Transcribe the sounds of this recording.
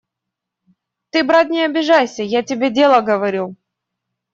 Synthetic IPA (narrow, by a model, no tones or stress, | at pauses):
t̪ɨbɾat̪nʲɪɐbʲɪʐajsʲəjatʲɪbʲedʲe̞lˠəɡəvɐɾʲu